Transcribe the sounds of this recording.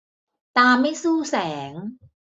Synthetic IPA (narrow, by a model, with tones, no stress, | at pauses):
t̪aː˧ma˥˩jsuː˥˩sɛː˩˦ŋ